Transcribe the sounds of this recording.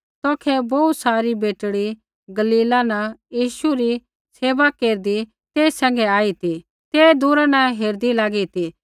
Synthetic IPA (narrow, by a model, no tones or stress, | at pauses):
t̪ɔːkʰɛbout̪saːɾibeːʈɽi | ɡɐliːlãnɐjiːʃuɾi | seːʋakeːɾd̪i | t̪eːsɛ̃ːŋ̆ɡɛaːit̪i | t̪eːd̪uːɾanɐɦeːɾd̪ilaːɡit̪i